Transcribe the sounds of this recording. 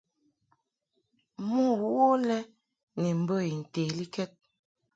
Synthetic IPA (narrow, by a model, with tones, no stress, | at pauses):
mu˦wwo˦lɛ˦ | nɛ˨m̩˨bə˦˨i˨n̩˨teː˨li˦kɛ˦t̚